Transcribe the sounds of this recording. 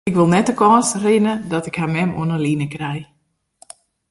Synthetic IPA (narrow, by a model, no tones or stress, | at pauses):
ɪkʋɪlˠnɛt̚dəkɔːsrɪnədɔtɪkhamɛmṵənəlinəkrɛj